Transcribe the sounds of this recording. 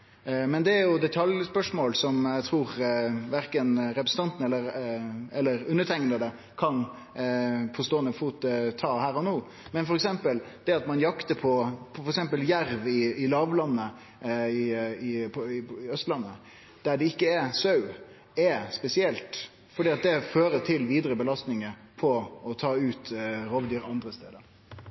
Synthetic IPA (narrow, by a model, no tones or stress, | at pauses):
mɛnd̪ɛæɾjʊd̪ɛt̪ʰɑljspœʂmoːlsɔmæɪt̪ʰɾuːɾʋæɾkənɾɛpɾsət̪ɑnt̪n̩ɛlːəɾɛlːəɾʉnːət̪ʰɛŋənəd̪ə | kʰɑn | pʰɔst̪oːənəfuːt̪ət̪ʰɑːhæːɾɔnoː | mɛnfɔɾɛksɛmpəld̪̥ɛɑt̪mɑnjɑkt̪əɾpʰɔpʰfɔɾɛksɛmpəljæɾʋɪɪlɑːʋlɑnːə | ɪɪpʰɔɪɪœst̪lɑnːə | d̪̥æɖɛɪkːəɛsɑʉ | ɛspɛsɪɛlt̪ | fɔɖiːɑt̪̚d̪ɛføːɾət̪ʰɪlʋiːd̪ɾəbəlɑst̪nɪŋəpʰɔɔt̪ʰɑːʉːt̪ɾoːʋd̪yːɾɑnd̪ɾəst̪ḛːd̪əɾ